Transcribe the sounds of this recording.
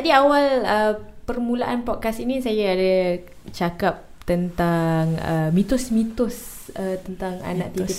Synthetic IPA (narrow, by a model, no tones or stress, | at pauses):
t̪adiawaləpərmulaʔanpɔt̪̚kasinisajaːda | t͡ʃakap̚t̪ənt̪aŋə̰mit̪ʊsmit̪ʊsət̪ənt̪aŋa̰na̰ʔt̪ii